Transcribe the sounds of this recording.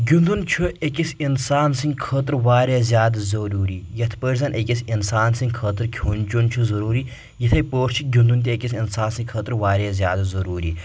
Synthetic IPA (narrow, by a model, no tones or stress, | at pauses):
ɡʲund̪unt͡ʃʰuekʲʼisinsaːnsɨŋʲkʰət̪ɾʋaːɾazjaːd̪zɐɾuːɾiːjɐt̪ʰpəɾzɐnʔekʲʼisinsaːnsiŋʲkʰət̪ɨɾkʲʰuːnt͡ʃunt͡ʃʰuzɐɾuːɾi | jit̪ʰɐjpəːɾʰt͡ʃʰiɡʲund̪unt̪iekʲisʲinsaːnsiŋʲkʰət̪ɾʋaːɾazʲjaːd̪zɐɾuːɾḭː